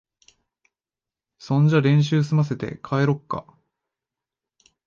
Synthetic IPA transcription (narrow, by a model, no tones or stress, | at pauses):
sõ̞ɲd͡ʑaɾẽ̞ɰ̃ɕ̬ɨːs̬ɨmas̬e̞t̪e̞̰kʰaeɾo̞kːa̰